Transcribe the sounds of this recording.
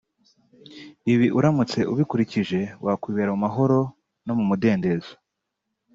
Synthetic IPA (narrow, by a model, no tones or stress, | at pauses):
iβiʔuɾamut͡se̞ʔuβikuɾiciʒe̞wʔakwiːβeɾamumaɦo̞ɾo̞ | no̞mumude̞ːnde̞zo̥